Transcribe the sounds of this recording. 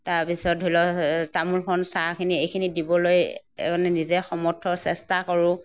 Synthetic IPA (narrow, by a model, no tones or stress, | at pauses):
taɹpisɔtɦulɔtamulkʰɔnsakʰiniejkʰinidibɔloj̰ɔnɛnizɛxɔmɔtʰɔsɛstakɔɹʊ̃